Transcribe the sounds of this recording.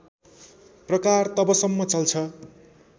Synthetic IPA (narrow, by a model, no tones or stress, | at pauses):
prʌkart̪ʌbʌsʌmːʌt͡sʌlt͡sʰʌ